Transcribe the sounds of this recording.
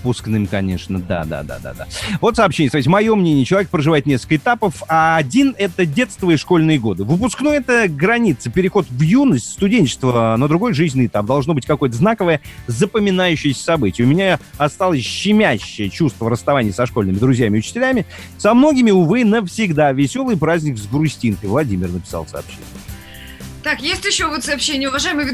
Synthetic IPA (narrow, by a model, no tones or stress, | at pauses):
pusknɨmʲkɐnʲeʂnəd̪a̰d̪a̰d̪a̰d̪a̰d̪a̰vo̞t̪sɐpɕenʲɪəsɐvɪt̬ʲmɐjo̞mnʲenʲɪjət͡ɕɪlˠɐvʲekəpɾəʐɨvaɪt̪nʲeskəlkəɨɪt̪apəfaːdʲinɛt̪ədʲe̞t̪st̪vɨɪʂko̞lʲnɨjəɡo̞d̪ɨvɨpʊsknojɛt̪əɡɾɐnʲit̪səpʲɪɾʲɪxo̞t̪vjunːəsʲtʲst̪ʊdʲenʲt͡ɕɪ̥st̪vənəd̪ɾʊɡo̞jʐɨzʲnʲɨɪt̪ap̚d̪ɐlˠʐnobɨtʲkɐko̞jət̪əznakəvəjəzəpəmʲɪnajʉɕːɪjəsʲə̥sɐbɨtʲɪjəʊmʲɪnʲaɐst̪alˠəsʲɕːɪmʲæɕːɪjət͡ɕust̪vəɾəst̪ɐvanʲɪjəsɐʂko̞lʲnɨmʲɪd̪ɾʊzʲjæmʲɪʊt͡ɕɪ̥tʲɪlʲæmʲɪ | sɐmno̞ɡʲɪmʲɪʊvɨnəfsʲɪɡd̪avʲɪsʲo̞lˠɨjpɾazʲnʲɪkzɡɾʊsʲtʲinkəjvlˠɐdʲimʲɪrnəpʲɪ̥sa̰lˠsɐ̰ːpɕːḛnʲɪ | t̪akjesʲtʲjɪɕːovot̪sɐːpɕenʲɪjəʊvɐʐajɪməɨjvʲɪ